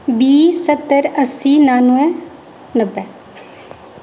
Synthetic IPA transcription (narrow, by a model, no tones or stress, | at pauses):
biːsət̪ːəɾəsːiːnaːnuɛ | nəbːɛː